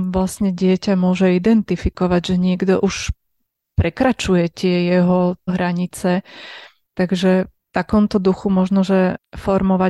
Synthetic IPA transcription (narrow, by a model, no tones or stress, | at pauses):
ʋlasɲɛɟɪɛcamʊɔʒɛid̪ɛnt̪ifikɔʋaɟʒɛɲɪɛɡd̪ɔʔuʃ | pɾɛkɾat͡ʃujɛt̪ɪɛjɛɦɔɦɾaɲit͡sɛ | t̪aɡʒɛ | t̪akɔmt̪ɔd̪uxumɔʒnɔʒɛfɔɾmɔʋa